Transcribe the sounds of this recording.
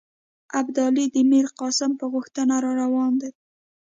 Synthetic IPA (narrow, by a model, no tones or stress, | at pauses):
abd̪ɑlid̪əmiɾqɑsɪmpəɣʊxt̪ənaɾɑɾawɑnd̪a